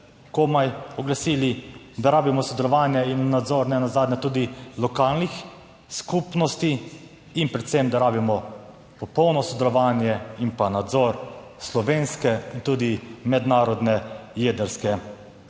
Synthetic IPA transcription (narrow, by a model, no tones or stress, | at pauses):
kɔmajɔɡlasiːli | d̪aɾaːbimɔsɔd̪ɛlɔʋaːnjɛinːad̪zɔɾnɛnazaːd̪ɲɛt̪uːd̪ilɔkaːlnix | skupnɔst̪iː | npɾɛt̪sɛmd̪aɾaːbimɔ | pɔpɔwnɔsɔd̪ɛlɔʋaːnjɛinpanad̪zɔɾ | slɔʋeːnskɛint̪uːd̪imɛd̪naːɾɔd̪nɛjeːd̪ɛɾskɛ